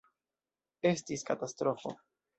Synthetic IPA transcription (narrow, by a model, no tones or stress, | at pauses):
e̞stiskatastɾo̞fo̞̰